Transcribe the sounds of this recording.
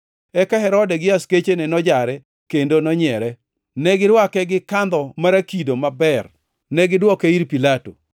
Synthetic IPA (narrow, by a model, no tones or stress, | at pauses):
ɛkaɦɛɾɔdɛɡɪasket͡ʃenɛnɔd͡ʒaɾɛ | kendonɔɲɛɾɛ | nɛɡɪdwakɛɡɪkand̪ɔmaɾakidomabɛr | nɛɡɪdwɔkeiɾpilato̰